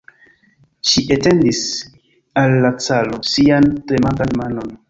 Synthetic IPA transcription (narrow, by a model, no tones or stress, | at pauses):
ʃiʔete̞ndis | alːat͡salo̞siantɾemaŋɡanmano̞n